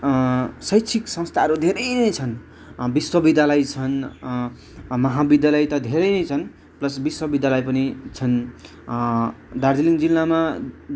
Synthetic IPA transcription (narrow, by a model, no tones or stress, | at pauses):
sʌjt͡sʰiksʌ̃ŋst̪ʰaʌɾud̪ʱeɾʌjnʌjt͡sʰʌn | biswʌbid̪ʱalajt͡sʰʌn | mʌɦabid̪jalajt̪ʌd̪ʱeɾʌjnʌjt͡sʰʌn | plʌsbiswʌbid̪ʱjalajpʌnit͡sʰʌn | d̪ard̪iliŋd͡zilːama